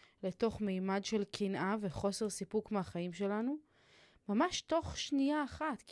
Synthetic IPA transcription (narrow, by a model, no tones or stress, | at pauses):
leto̞χmejmadʃe̞lkʰinʔave̞χo̞se̞ʁsipukmeaχaimʃe̞lanu | mamaʃto̞χʃnijaːχat̪k